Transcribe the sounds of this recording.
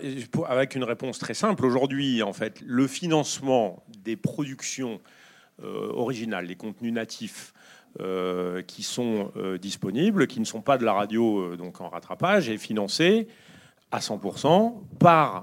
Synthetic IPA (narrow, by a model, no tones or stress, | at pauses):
pavɛkynʁepɔ̃st̪χɛsɛ̃ploʒuʁd̪ɥiɑ̃fɛt̪ləfinɑ̃smɑ̃d̪epχɔd̪yksjɔ̃ | ø̰ɔ̰ʁiʒinald̪ekɔ̃t̪nynat̪ʰif | økʲʰisɔ̃ød̪ispɔniblkʲinəsɔ̃pad̪əlaʁad̪joød̪ɔ̃kɑ̰̃ʁa̰t̪χapaʒɛfinɑ̃se | asɑ̃puʁsɑ̃paʁ